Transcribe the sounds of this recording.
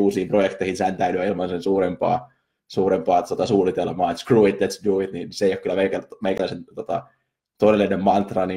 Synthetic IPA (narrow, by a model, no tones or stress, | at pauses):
uːsiːmprojekt̪ˑeihinshænt̪æyɾyæilmɑnsensuːrempɑ̰ː | suːrempɑːt̪ot̪ɑsuːlit̪elmɑːet̪skruit̪̚d̪æt̪sduit̪niːnseijokylːæmeikælmeikælːæisent̪ot̪ɑ̰ | t̪oiselːinemmɑnt̪rɑni